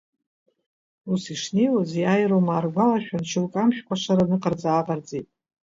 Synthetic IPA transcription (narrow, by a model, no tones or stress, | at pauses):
usiʂnejwazjajromaːrɡʷalaʃᶣant͡ʃʰɪlkʼamʃᶣkʷʰaʂaɾanɨqʼard͡zaːqʼard͡zʼejtʼ